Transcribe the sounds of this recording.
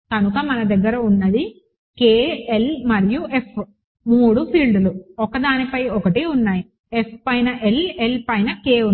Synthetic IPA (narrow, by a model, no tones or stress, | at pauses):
kɐnukɐmɐnɐd̪ɐɡːɐɾɐunːɐd̪i | keːelmɐɾijuʔepʰ | muːɽupʰiːlɖuluɔkɐd̪aːnipɐjɔkɐʈeːunːaːji | epʰpɐjnɐʔelelpɐjnɐkeːu